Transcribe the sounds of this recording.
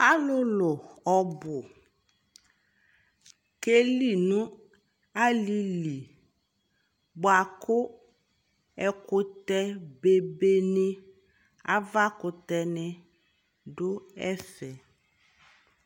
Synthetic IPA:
a˦lʊ˦lʊ˨ɔ˨bʊ˨ | ke˦li˨nʊ̃˦ | a˦li˦li˨ | bʊ˨a˨kʊ˦ | ɛ˦kʊ˦t̪ɛ˦be˨be˦nɪ˦ | a̰˦va˦kʊ˨t̪ɛ˦nɪ̃˦ | dʊ˦ɛ˦fɛ˨

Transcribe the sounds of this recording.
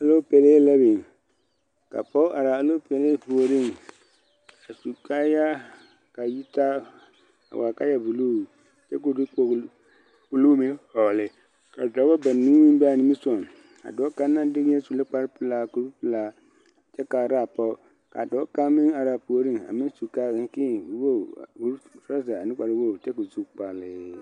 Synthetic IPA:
a˨lo˦pɛ˨leː˦la˦be˨ | ka̰˨pɔ˦ʔa˨ɾa˨a˨lo˦pɛ˨le˦pu˨o˨ɾɪ˦˨ŋ | a˨su˨ka˦ja˦ | ka˨ji˦ta˦ | a̰˨wa˨ka˦ja˦bu˨lu˦˨ | t͡ʃɛ˦ko˨du˦o˨˦ | k͡pu˨lu˦me˦ɔ˨lɪ˨ | ka˨dɔ˨˦ba˦ba˨ni˦ni˦m˦ba˦˨nɪ˦mi˦sɔ˨n | a̰˨dɔː˨˦ka˦na˦dɪ˦ɣa˦su˨le˦k͡pa˦ɾpɨ˨laː˨ku˨ɾpɨ˨la˨˦ | t͡ʃɛ˦ka˨ɾa˦˨pɔ˦ | ka̰˨dɔː˦ka˦mɪ˦ŋa˨ɾa˨pu˨o˦ɾɪ˦ŋa̰˨mɪ˦su˨kaː˦ɡɪ˦ŋ˦kɪ˦˨˦wo˦˨u˦ɾsɾa˦za˨a˨nɪ˦k͡pa˨ɾɪ˦wo˦˨t͡ʃɛ˦ko˨zu˦kk͡pa˨lɪ˨

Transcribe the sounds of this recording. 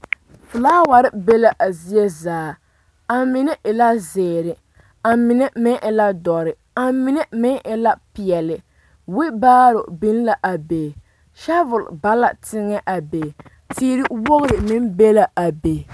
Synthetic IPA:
fʊ˨laː˦wa˨ɾɪ˦be˦la˨ʔa˨zi˦je˦zaː˨ | a˨mɪ˦nɛ˦ʔɪ˨la˦zeː˨ɾɪ˨ | a˨mɪ˨nɛ˦mɪ˦nʔɪ˨la˦dɔ˨ɾɪ˨ | a˨mɪ˦nɛ˦mɪ˦nʔɪ˦la˦pɪ˨ɛ˨lɪ˨ | wɪ˦baː˦ɾʊ˨bi˦n˦la˨ʔa˨beː˨ | ʃa˦vʊ˨l̰ba˦la˨tɪ˦ŋɛ˦ʔa˨be˨ | tiː˦ɾi˦wo˦ɣʊ˦ɾɪ˨mɪ˦nbe˦la˨a˨be˨

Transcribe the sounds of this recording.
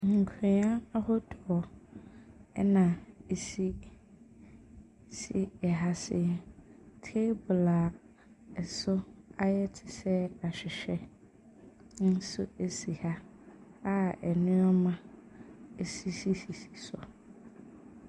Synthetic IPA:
ŋ̩˨kʰɪ̃˨˦ã˦a˦hɔ˦dʰɔ˨ | ɛ̰˦nã˨e˨si˦ | sḭ˦ɛ˨ɦa˦sɛ̰˦˨tʰe˦bʊ˨la˨ | ɛ˨sʊ˦a˦jɛ˦tʰɪ̥˨sɛ˦a˨ɕᶣɪ˨ɕᶣɛ˦ | n̩˦sʊ̰˦e˨si˨ha˦ | a˦ɛ˨nɪ̃˦ɔ˦mã˦ | e˨si˦si˦si˨si̥˨sʊ̰˨

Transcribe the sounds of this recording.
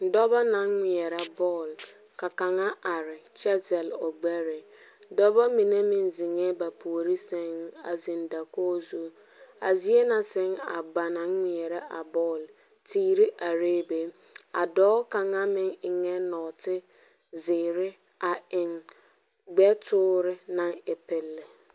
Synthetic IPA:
dɔ˦bɔ˦na˦ŋŋʷi˨ɛ˨ɾa˦bɔː˦˨l | ka˨ka˨ŋa˦ʔa˨ɾɪ˨t͡ʃɛ˦tɛ˨lo˨ɡ͡bɛ˦ɾɪ˨ | dɔ˦bɔ˦mi˨ne˦mɪ˨nzi˨ŋɛ˦ba˨pʰu˨ɾi˦sɛ˦ŋ˦a̰˨zi˨nda˨koː˦zu˦ | a̰˨zi˦e˦na˨sɛ˦ŋa̰˨ba˨na˨˦ŋː˨ɛ˨ɾɛ˦ʔa˨bɔ˦˨l | tiː˦ɾɪ˦ʔa˨ɾeː˦be˦ | a̰˨dɔː˦ka˨ŋa˦mɪ˦ŋɪ˨ŋɛ˦nɔ˨tɪ˦ | zɪː˨ɾɪ˦ | a˨ɪ˨ŋ | ɡ͡bɛ˦tʰʊː˦ɾɪ˦na˦ŋɪ˨pɪ˦lːɪ˨

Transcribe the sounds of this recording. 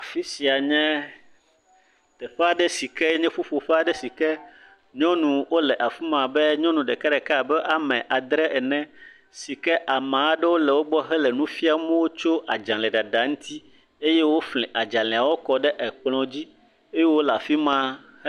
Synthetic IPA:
a˨fi˦si˨a˨ɲɛ̃˦ | t̪ɛ˨ɸɛ˦a˦ɖɛ˦si˨kɛ˦ɲɛ̃˦fu˦fo˨ɸɛ˦a˨ɖɛ˦si˨kɛ˦ | ɲɔ̃˦nũ˨wo˦lɛ˨ʔa˨fi˦mã˨bɛ˦ɲɔ̃˦nũ˨ɖɛ˨ka˦ɖɛ˨ka˦a˨bɛ˦ʔa˨mɛ̃˨ʔa˨d̪ɾɛ˦ʔɛ˨nɛ̃˦ | si˨kɛ˦ʔa˨mã˨˦ɖɛ˦wo˦lɛ˨wo˦ɡ͡bɔ˦ɦɛ˦lɛ˨nũ˦fi˦a˨˦mɛ̃˦wo˦t͡ʃo˦ʔa˨d͡ʒã˨lɛ˨ɖa˨ɖa˨ŋ̩̃˦t̪ʰi˦ | e˦je˦wo˦flɛ̃˨ʔa˨d͡ʒã˨lɛ˨a˨wo˦kɔ˨ɖɛ˦ʔɛ˨k͡plɔ̃˨d͡ʑi˦ | e˦je˦wo˦la˨fi˦mã˦

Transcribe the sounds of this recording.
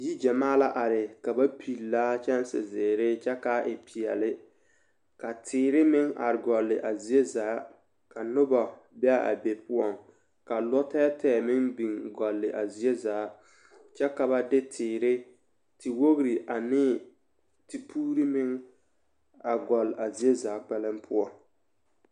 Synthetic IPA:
ji˦d͡ʒa˨maː˦la˦ʔa˨ɾɪ˨ka˨ba˦pʰi˨lːaː˦t͡ʃɛ˦n˦sɪ̰˨zɪː˨ɾɪ˦t͡ʃɛ˦ka˦ʔɪ˨pʰi˨ɛ˨lɪ˦ | ka˨tʰɪː˨ɾɪ˦mɪ˦ŋa̰˨ɾɪ˨ɡɔ˨lːɪ˨ʔa˨zi˨e˦zaː˨˦ | ka˨nʊ˦bɔ˨ | bɛ˦a˦˨a̰˨be˨pʊ˦ɔ˨ŋ | ka˨lɔ˦tɛː˦tʰɛː˦˨mɪ˦ŋbi˨ŋɡɔ˨lːɪ˨ʔa˨zi˨e˦zaː˨˦ | t͡ʃɛ˦ka˨ba˦dɪ˦tʰɪː˨ɾɪ˦ | ti˨wo˦ɣɾi˨ʔa˨nɪː˦ | ti˨pʰuː˦ɾi˦mɪ˦ŋ | a˨ɡɔ˨la˨zi˨e˦zaː˨˦k͡pɛ˦lɪ˦mpʰʊ˦ɔ˨ŋ

